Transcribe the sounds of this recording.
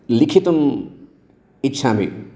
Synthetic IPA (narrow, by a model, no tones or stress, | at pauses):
likʰit̪un | itːʃʰamḭ